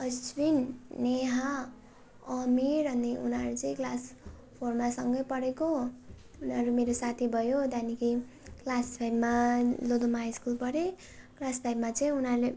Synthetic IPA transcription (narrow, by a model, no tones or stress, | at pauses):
ʌswinːeɦa | ʌmiɾʌnːiṵnʌɾut͡sʌĩklas | pʰormasʌŋɡʌjpʌɽeko | unʌɾumeɾosat̪ʰibʱʌjod̪anikʰi | klaspʰajbmalod̪omaiskulpʌɾe | klaspʰajbmat͡sʌĩunʌɾule